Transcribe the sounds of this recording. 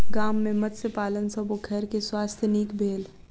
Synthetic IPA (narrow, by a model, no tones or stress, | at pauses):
ɡaːmːẽmɐd̪sepaːlənsəboɡʱɐɾkeswaːst̪ʰjəniːkbʱeːl